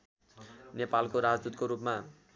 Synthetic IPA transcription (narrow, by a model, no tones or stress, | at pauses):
nepalkoɾad͡zd̪ut̪koɾupma